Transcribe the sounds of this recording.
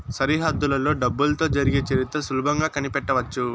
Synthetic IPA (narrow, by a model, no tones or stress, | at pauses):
sɐɾiɦɐd̪ːulɐlo̞ːɖɐbːulɐt̪o̞ːd͡ʒɐɾiɡeːt͡ʃɐɾit̪ɾɐsulubʱɐŋɡaːkɐnipɛʈːɐʋɐt͡ʃːu